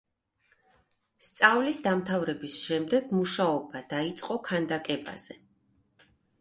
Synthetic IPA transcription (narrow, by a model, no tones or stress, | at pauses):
st̪sʼavlisd̪amt̪ʰavɾɛbisʃɛmd̪ɛɡmuʃaɔbad̪ait̪sʼqʼɔkʰand̪akʼɛba̰z̥ɛ